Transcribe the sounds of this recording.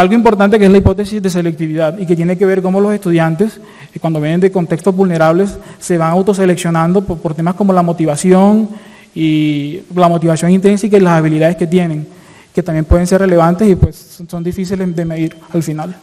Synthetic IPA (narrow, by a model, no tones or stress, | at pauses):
alɣo̞impo̞ɾt̪ant̪e̞keslaipo̞t̪esizðe̞s̬e̞lek̚t̪iβiðaðike̞t̪je̞neke̞βe̞ɾko̞mo̞lo̞se̞st̪uðjant̪es | kwand̪oβjene̞nd̪eko̞nt̪e̞kst̪o̞zβulne̞ɾaβle̞sːe̞βaŋawt̪o̞s̬e̞le̞ksjo̞nãnd̪o̞ppoɾt̪e̞masko̞mo̞lamo̞t̪iβasjo̞ŋ | i | lamo̞t̪iβasjo̞ŋint̪ɾensikailasaβ̞iliðaðeske̞t̪je̞ne̞ŋ | ket̪ambje̞mpwe̞ðe̞ns̬e̞rele̞βant̪esipwe̞s | so̞nd̪ifis̬ileðemeðiɾ | alfinal